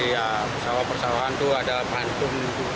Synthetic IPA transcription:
ia | pərsawahpərsawaɦant̪uadapant̪ʊŋ | u

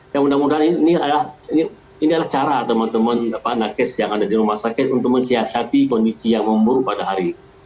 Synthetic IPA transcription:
jamudamudaɦinialahini | iniadalaht͡ʃaɾat̪əmənt̪əmənapanakɪsjaŋadadiɾumahsakɪt̪unt̪ʊk̚məɲsiasat̪ikɔndisijaŋməmbuɾupadaɦaɾi

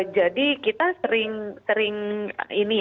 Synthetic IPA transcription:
d͡ʒadikit̪asəɾɪŋsəɾɪŋini

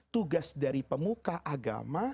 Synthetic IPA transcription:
t̪uɡasdaɾipəmukaʔaɡa̰ma

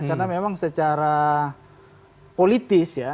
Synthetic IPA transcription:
karnamemaŋsət͡ʃaɾa | polit̪ɪsja

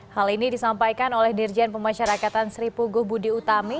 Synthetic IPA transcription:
halinidisampajkanolɛhdird͡ʒanpəmaʃaɾakat̪ansɾipuɡuhbudiut̪ami

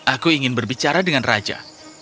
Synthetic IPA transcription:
ʔakuiŋɪnbərbit͡ʃaɾadəŋanra̰d͡ʒa̰

